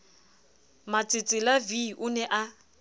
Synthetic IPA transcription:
mat͡sʼɪt͡sʼɪlaviʔʊnɛʔa

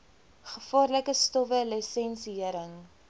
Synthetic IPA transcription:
χəfɑːrləkəstɔfələsɛnsiəɾəŋ

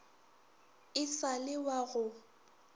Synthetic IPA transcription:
ɪsalɪwaɣʊ

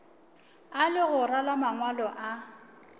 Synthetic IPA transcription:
alɪɣʊralamaŋwalɔʔa

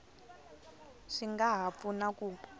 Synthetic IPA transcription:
ʂiŋɡaɦap̪funakuːpɔ̥

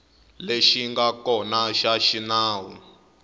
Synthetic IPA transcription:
leʃiŋɡakɔnaʃaʃinaːwu

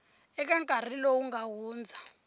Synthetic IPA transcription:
ɛk̬aŋkʼar̤ilɔwuŋɡawuːnd͡zʱa

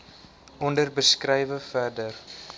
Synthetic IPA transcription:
ɔndərbəskrɛjvəfærdər

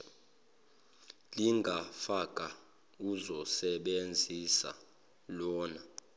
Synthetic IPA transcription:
liŋɡʱafak̬ʼa | uzɔsɛɓend͡zʱisa̰ | lɔːna

